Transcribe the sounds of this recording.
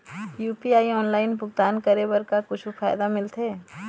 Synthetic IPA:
juːpiaːiɔːnlaːɪnbʱʊɡt̪aːnkɐɾebəɾkakʊt͡ʃʰufʰaːjd̪amɪlt̪ʰeː

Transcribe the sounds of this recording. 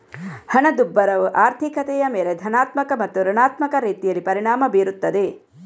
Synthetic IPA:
hɐnɐd̪ubːɐɾɐʋuʔaːɾt̪ʰikɐt̪ɛjɐmeːled̪ʱɐnaːt̪mɐkɐmɐt̪ːuɾɐɳaːt̪mɐkɐɾiːt̪ijɐlːipɐɾiɳaːmɐbeːɾut̪ːɐd̪e

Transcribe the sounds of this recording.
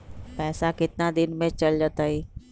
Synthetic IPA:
pɛːsakɪt̪ɪnad̪ɪnmẽt͡ʃəld͡ʒət̪əɦiː

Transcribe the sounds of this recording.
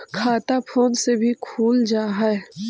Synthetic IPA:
kʰaːt̪apʰoːnsebʱikʰuːld͡ʒaːɦɛɛ

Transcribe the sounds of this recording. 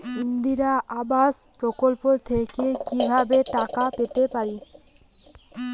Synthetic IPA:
ind̪iɾaʔabaʃpɾokolpot̪ʰekekibʱabeʈakapet̪epaɾi

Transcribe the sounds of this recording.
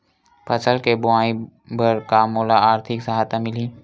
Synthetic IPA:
pʰət͡ʃəlkebʊãːĩbəɾkamoːlaaːɾt̪ʰɪksɐɦaːt̪amɪlĩː

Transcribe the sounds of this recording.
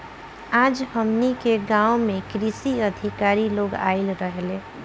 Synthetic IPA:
aːd͡ʒhəmnikeɡãːomẽkɾisiəd̪ʱɪkaːɾiloːɡa̰ːɪlɾəɦle

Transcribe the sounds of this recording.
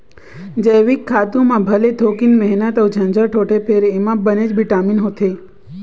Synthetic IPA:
d͡ʒəjʋikʰːat̪ũmãbʱəlet̪ʰokinmɛɦnət̪əwt͡ʃʰə̃nd͡ʒəʈʰoʈʰepʰeɾemãbəned͡ʒbiʈaminɦot̪ʰe

